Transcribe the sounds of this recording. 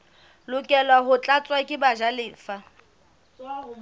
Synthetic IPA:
lʊkʼɛlaɦʊt͡ɬʼat͡sʼwakʼɪbaʒalɪːfa

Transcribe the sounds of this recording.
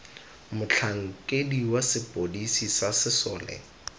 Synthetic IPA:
mʊt͡ɬʰaŋ̩kʼediwasɪpʼodisisasɪsɔːlɛ̰

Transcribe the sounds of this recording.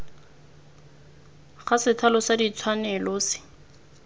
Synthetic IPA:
χasɪtʰalɔsadit͡sʰwanɛlɔːsɪ̥

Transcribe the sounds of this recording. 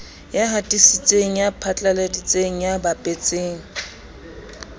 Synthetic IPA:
jaɦatʼisit͡sʼeŋ̩japʰat͡ɬʼaledit͡sʼeŋ̩jabapʼet͡sʼeːŋ̩

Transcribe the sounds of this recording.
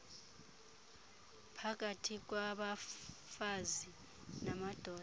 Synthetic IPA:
pʰak̬ʼatʰik̬waɓa | fazi | namad̥ʱɔː

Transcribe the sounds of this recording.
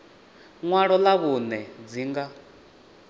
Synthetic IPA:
ŋwaɺɔlaβunɛd͡ziːŋɡa

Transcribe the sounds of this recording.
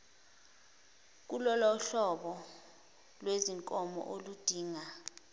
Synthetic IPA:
k̬ulɔlɔɬɔɓɔ | lweziŋkʼɔmɔ̰ʔolud̥ʱiːŋa

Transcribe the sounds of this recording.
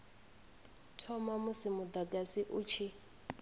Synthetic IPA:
tʰɔmamʊsɪmʊd̪akʼasiʔut͡ʃʰi

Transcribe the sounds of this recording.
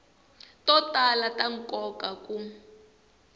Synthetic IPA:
tɔtalatʼaŋ̩kɔkʼakʼu

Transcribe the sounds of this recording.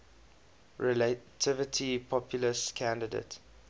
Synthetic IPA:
ɹɛlətʰɪvətʰipʰɔpʰjuləskʰæ̃ndədḛɪt

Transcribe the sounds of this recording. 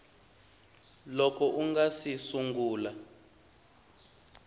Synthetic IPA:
lɔkʰɔʔuŋɡasisuŋɡuːla

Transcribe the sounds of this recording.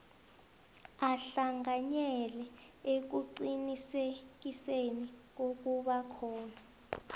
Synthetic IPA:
aɬaŋaɲɛlɛ | ek̬uǀinisek̬isenik̬ok̬uɓakʰɔːna

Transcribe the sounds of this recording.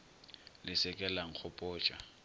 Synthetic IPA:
lɪsɛkʼɛlaŋ̩k͡xʰʊpʼɔːt͡ʃʼa̰

